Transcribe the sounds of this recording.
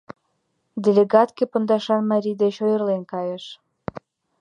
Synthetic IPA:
d̪ʲelʲeɡɑt̪kepə̆nd̪ɑʃɑnmɑɾʲijd̪et͡ɕojərlenkɑjəʃ

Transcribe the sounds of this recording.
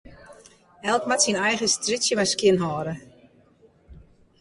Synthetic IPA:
ɛlˠkmatsinɛjɣəstrisjəʋaskjɪnɦɔːɾə

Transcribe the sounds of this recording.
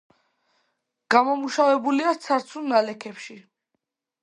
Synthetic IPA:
ɡ̥amɔmuʃavɛbuliat̪sʰaɾt̪sʰunnːalɛkʰɛpʃi

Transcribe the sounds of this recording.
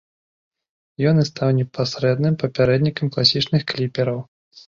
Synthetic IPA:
jɔnɨst̪awnʲɛpasɾɛd̪nɨmpɐpʲaɾɛd̪nʲikɐmklˠasʲit͡ʂnɨxklʲipʲɛɾɐw

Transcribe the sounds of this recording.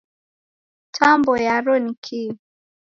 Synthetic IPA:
tʰambɔjaɾɔnikʰi

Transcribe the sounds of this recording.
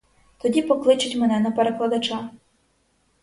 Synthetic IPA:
t̪ɔdʲipɔklˠɪt͡ʃʊtʲmɛnɛnɐpeɾeklˠɐd̪ɐt͡ʃɑ

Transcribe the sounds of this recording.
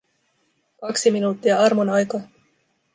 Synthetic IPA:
kɑksiminut̪ːiɑɑrmonɑjkɑ

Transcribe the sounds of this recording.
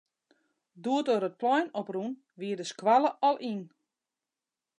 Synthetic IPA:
duətoɾət̚plɔjnɔprun | ʋiədəskwaləʔɔlˠʔin

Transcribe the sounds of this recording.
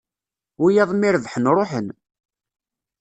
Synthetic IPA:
ijɑðˤmɪɾəvħənɾˤoħən

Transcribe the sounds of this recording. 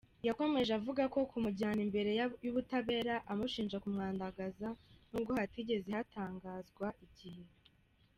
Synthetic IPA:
jako̞me̞ʒavuɡako̞kumuɟaːnimbe̞ɾe̞juβutaβe̞ːɾaʔamuʃiːnʒakumŋaːndaɡazanubɡo̞hatiɟe̞zehataːŋɡaːzɡwaʔiɟihe

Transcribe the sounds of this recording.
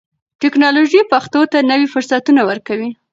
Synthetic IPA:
ʈɪknɑloʒipaxt̪ot̪anəwifʊɾsat̪unawəɾkawi

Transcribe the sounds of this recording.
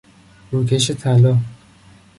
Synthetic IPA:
ɾukʰeʃet̪ʰælɒː

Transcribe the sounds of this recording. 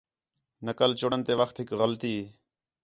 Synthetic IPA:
nəkəlt͡ʃʊɽənt̪eːʋəxt̪ɦɪkɣəlt̪iː

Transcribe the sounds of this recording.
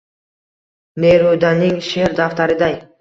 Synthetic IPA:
neɾud̪anɪŋʃeɾd̪aft̪aɾɪd̪aj

